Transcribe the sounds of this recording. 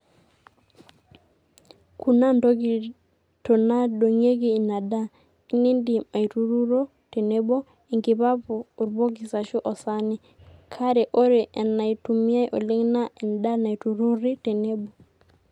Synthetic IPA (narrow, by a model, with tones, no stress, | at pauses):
kʰu˨na˦ndo˦ɡi˨ | to˨na˦ɗo˨ŋe˦ɡiː˦˨na˨da˦ | i˦ni˦ndi˨ma˨i˨tu˦ɾu˦ɾo˦ | te˨ne˦bo˦ | i˨ŋɡi˨βa˦puː˨ɾbo˦ɡi˨sa˨ʃu˦ʔɔ˨sa˦ni˦ | kʰa˦ɾɛ˨ʔo˦ɾe˨ʔɛ˨na˨i˨tu˨mi˦a˦jʔɔ˨li˦ŋna˦ɛ˨nda˦na˨itu˨ɾu˦ɾi˦te˨ne˦bo˨